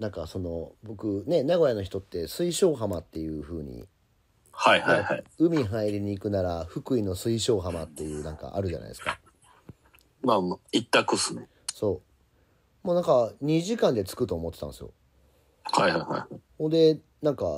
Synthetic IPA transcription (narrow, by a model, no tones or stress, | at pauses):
nãŋkaso̞no̞bo̞kɯ̟ne̞naɡo̞jano̞çit̪o̞t̪ːe̞sɨiɕo̞ːɦamat̪ːe̞jɯ̟ɸɯ̟ːɲ̟ḭ | haihkaihaiɯ̟mʲiɦãiɾiɲ̟iːkɯ̟naɾaɸɯ̟kɯ̟ino̞sɨiɕo̞ːɦamat̪ːe̞jɯ̟ːnãŋka̰ʔaɾɯ̟ʑa̰na̰ḭe̞sɨ̥ka̰ | mait̪ːakɯsɨ | so̞ː | moːnãŋkaɲ̟iʑikãnd̪e̞t͡sɨ̥kɯ̟t̪o̞ːmot̪ːet̪ã̰nsɨjo̞̰ | hajhajha̰jahõd̪e̞ | nãŋka